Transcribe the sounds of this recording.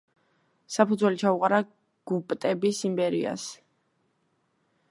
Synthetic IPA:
sapʰud̪zwɛlit͡ʃʰauqʼaɾa | ɡ̥upʼt̪ʼɛbisimbɛɾḭa̰s

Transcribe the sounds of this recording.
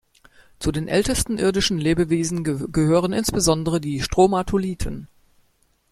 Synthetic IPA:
t͡sudeːnʔɛltəstn̩ʔɪɐdɪʃn̩leːbəveːzn̩ɡəhøːʁ̞ənɪnsb̥əzɔndəʁədiːʃtʁ̥oːmatʰoliːtʰən

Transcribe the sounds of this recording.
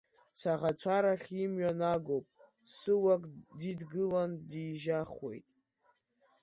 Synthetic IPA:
saʁat͡ʃʷʰaɾaχʲimɥanaɡowpʼ | sɨwakʼdidɡɨlandiʒaχwe̞̰jtʼ

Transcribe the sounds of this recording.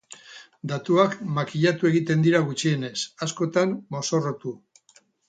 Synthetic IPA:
d̪at̪uakmakiʎat̪ueɣit̪e̞nd̪iɾaɣ̞ut͡ʃie̞ne̞sasko̞t̪ammo̞so̞rot̪u

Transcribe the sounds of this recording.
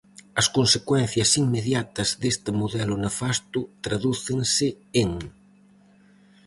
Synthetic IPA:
ɐskonsekwɛn̟θjɐsiŋmeðjat̪ɐzðest̪ɪmoðɛlʊnafast̪ʊt̪ɾaðuθeŋsɪ | eŋ

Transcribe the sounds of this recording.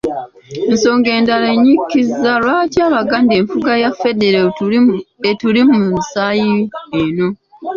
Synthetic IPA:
enso̞ːŋɡe̞ːndaleɲːikːizːalwaːcaːβaɡande̞ːɱfuɡajafe̞de̞ɾe | etulimumumusaːjieno̞

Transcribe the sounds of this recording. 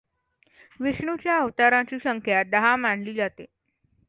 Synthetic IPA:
ʋiʂɳut͡ɕjaəʋt̪aɾãt͡ɕiːɕəŋkʰjad̪əɦamaɳ̤liːd͡zat̪e

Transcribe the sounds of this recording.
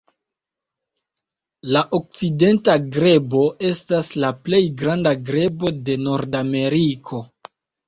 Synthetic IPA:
laʔok̚t͡side̞ntaɡɾe̞bo̞e̞staslaple̞jɡɾandaɡɾe̞bo̞de̞no̞ɾdame̞ɾikʰo̞

